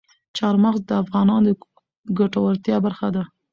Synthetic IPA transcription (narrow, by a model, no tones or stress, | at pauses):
t͡ʃɑɾmaɣzd̪əafɣɑnɑnd̪ə | ɡaʈawaɾt̪jɑbaɾxad̪a